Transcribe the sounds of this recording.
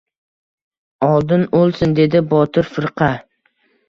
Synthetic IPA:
ɒlˠd̪ɪnolˠsɪnd̪e̞d̪ɪbɒt̪ʰɪɾfɪɾqʰɑ

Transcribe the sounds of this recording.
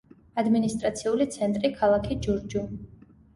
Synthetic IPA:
ad̪minist̪ʼɾat̪sʰiulit̪sʰɛnt̪ʼɾikʰalˠakʰid͡ʒuɾd͡ʒu

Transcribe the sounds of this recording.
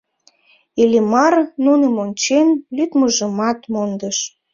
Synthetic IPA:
ilʲimɑrnunə̆monʲt͡ɕenlyt̪məʒəmɑt̪mond̪əʃ

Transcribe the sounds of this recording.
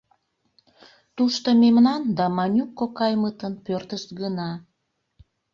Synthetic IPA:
t̪uʃt̪omemnɑnd̪ɑmɑnʲukːokɑjmət̪ənpørt̪əʃt̪ɡənɑ

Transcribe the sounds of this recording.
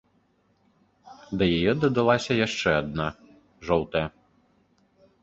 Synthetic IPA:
d̪ɐjajɛd̪ɐd̪alˠasʲɐjaʂt͡ʂɛɐd̪na | ʐɔlˠt̪ɛ

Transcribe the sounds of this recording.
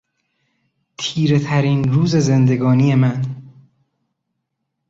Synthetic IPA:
t̪ʰiːɾe̞t̪ʰæɾiːnɾuːze̞zend̪e̞ɡɒːnije̞mæn

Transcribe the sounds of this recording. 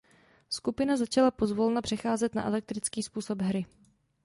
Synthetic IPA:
skupɪnazat͡ʃalapo̞zvo̞lnapr̥ɛxaːzɛt̪na̰ʔɛ̰lɛk̚t̪ɾɪt͡skiːspuːso̞bɦɾɪ

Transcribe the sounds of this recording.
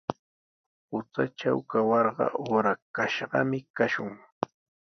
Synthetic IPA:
ʊt͡saʈ͡ʂawkawɑɾɢɑ̰ʔoːɾakaʃɢɑ̰mɪkaʃʊŋ

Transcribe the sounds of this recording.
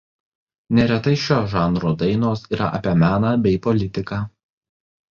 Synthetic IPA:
nʲɛɾʲɛt̪ɐɪʃʲoːʒɑːnɾoːd̪ɐɪnoːsiːɾɐ̰ʔɐ̰pʲiɛmʲæːnɑːbʲɛɪpɔlʲɪt̪ʲɪkɑː

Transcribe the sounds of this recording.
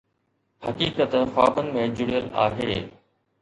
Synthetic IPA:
hɐkiːkət̪xaːbənɪ̆mẽd͡ʑʊɽijəla̰ːɦeː

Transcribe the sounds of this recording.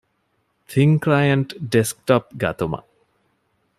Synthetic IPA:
t̪ʰiŋklajɐɳʈɖesk̚ʈɔp̚ɡɐ̰t̪umɐ̰

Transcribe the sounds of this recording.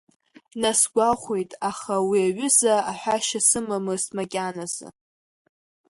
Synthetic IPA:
nasɡʷaχʷejtʼaχawiaɥʏzaaħʷᶣaʃasɨmamɨsmakʲʼanazɨ̰

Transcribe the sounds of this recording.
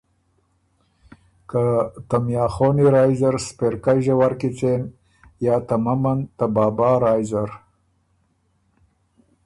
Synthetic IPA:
kat̪amjɑːxoniɾajzaɾspeɾkajʒawaɾkit͡sen | jɑːt̪amamant̪abɑːbɑːɾɑjzaɾ

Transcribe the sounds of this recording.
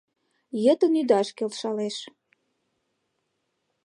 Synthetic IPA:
jə̆t̪ənyd̪ɑʃkelʃɑleʃ

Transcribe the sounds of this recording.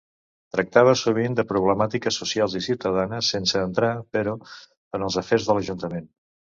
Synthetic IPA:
t̪ɾək̚t̪aβ̞əsuβ̞ind̪əpɾuβləmat̪ikəsusialˠzisiwt̪əð̞anəsːensəːnt̪ɾapəɾɔ | ənəlˠzəfeɾzðələʒunt̪əmen

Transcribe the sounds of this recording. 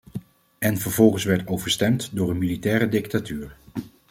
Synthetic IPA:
ɛnvəɹvɔlˠχənsʋɛɹtowvəɹstɛmtdʊːɹənmilitɛːɾədɪk̚tatyːɹ

